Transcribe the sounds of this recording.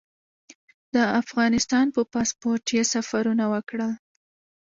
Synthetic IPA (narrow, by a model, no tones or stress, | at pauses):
d̪̥əafɣɑnɪst̪ɑnpəpɑspoɾʈjesafaɾunawəkɽəl